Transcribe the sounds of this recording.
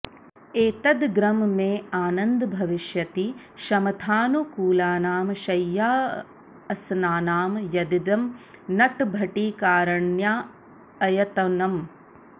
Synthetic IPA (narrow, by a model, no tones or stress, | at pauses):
eːt̪ɐd̪ɡɾɐmmeːaːnɐnd̪bʱɐʋiʃjɐt̪i | ʃɐmɐt̪ʰaːnukuːlaːnaːmʃɐjːaː | ɐsnaːnaːmjɐd̪id̪ɐmnɐʈbʱɐʈiːkaːɾɐɳjaː | ɐjɐt̪ɐnɐm